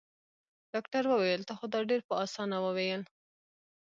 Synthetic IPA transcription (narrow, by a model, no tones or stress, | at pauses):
ɖ̥ɑkʈaɾwəwajəlt̪axod̪ɑɖeɾpəɑsɑnawəwejəl